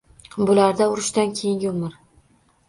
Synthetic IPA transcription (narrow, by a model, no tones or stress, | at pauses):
bʊlaɾd̪aʊɾɪʃd̪ankʲʰejɪŋɡʲɪʊmɪɾ